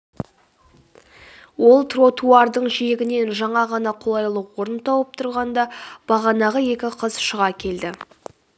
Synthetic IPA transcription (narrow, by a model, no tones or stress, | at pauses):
wo̞lˠt̪ro̞t̪uɑrd̪əɴʒijeɡʲɪne̞nʒɑɴɑʁɑnɑqʰolˠɑjlˠəwoɾənt̪ʰɑwəp̚t̪ʰʊɾʁɑnd̪ɑb̥ɑʁɑnɑʁəje̞kʲɪqʰəz̥ʃəʁɑkʲʰe̞ld̪ɪ